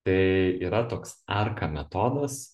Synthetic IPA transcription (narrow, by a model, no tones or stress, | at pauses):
t̪ɐɪiːɾɐt̪oːksɐrkɐmʲɛt̪oːd̪ɐs